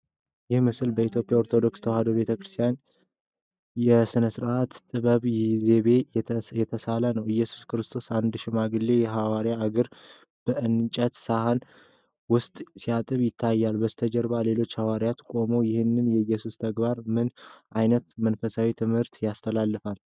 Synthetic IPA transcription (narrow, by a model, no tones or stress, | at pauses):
jɪhmɨsɨlbəit̪jo̞pʼjaoɾt̪ʰo̞d̪o̞kst̪ʰəwhad̪obe̞t̪ʰəkɾɨst̪ʰijan | jɛsɨnəsɨɾʔat̪t̪ʼɨβəβjze̞βe̞jɛt̪ʰəsalənəwɨjːɛsu̥skɨɾɨst̪ʰo̞sand̪ʃɪmaɡɨlːe̞jɛɦawaɾjaːɡəɾ | b̥əʔɨnt͡ʃʼət̪sahan | wʊst̪ʼsijat̪ʼɨβjɪt̪ʰːajːalbəzt̪ʰəd͡ʒɛɾbale̞lo̞t͡ʃːhawaɾjat̪kʼo̞mojɪhɨnːɨnjɛɨjːɛsust̪ʰəɡbaɾmɨnʔajnət̪mənfəsawit̪ʰɨmhɨɾt̪jast̪ʰəlalːɨfal